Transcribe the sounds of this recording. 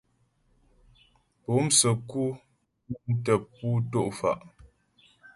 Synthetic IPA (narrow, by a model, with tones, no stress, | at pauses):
po˨˦msə˨ku˦ | n̩˦tə˨pːu˦to˦ʔfa̰˨ʔ